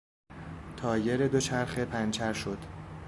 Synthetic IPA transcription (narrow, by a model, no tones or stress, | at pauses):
t̪ʰɒːje̞ɾed̪o̞t͡ʃʰæɾxepʰænt͡ʃʰæɾʃo̞d̪̥